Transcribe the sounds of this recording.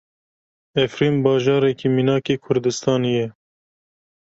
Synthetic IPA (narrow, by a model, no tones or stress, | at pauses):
ɛfɾiːmbɑːʒɑːɾɛkiminɑːkeːkʰʊɾd̪ɨst̪ɑːnijɛ